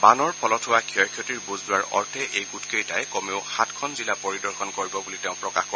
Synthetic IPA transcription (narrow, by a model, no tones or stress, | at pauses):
banɔɹpʰɔlɔthʊwakʰiɔjkʰjɔtiɹbuzdʊwaɹɔ̰ɹtʰɛʔejkutkejtajkɔmeʊxatʰkʰɔnzilapɔɹidɔɹxʰɔnkoɹibɔbuliteʊ̃pɹɔkaxkɔ